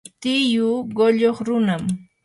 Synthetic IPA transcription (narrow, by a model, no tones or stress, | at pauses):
t̪ɪjʊɢoʎoχɾʊnam